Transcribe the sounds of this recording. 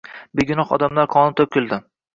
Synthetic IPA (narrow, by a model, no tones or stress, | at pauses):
beɡʲɪnɒχɒ̰d̪amlaɾkʰɒnɪt̪ʰokʲːɪlˠd̪ɪ